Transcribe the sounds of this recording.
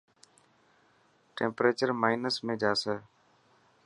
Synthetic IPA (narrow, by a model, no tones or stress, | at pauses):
ʈḛ̃ːmpɾeːt͡ʃəɾmaːɪnəsmẽːd͡ʒaːsɛː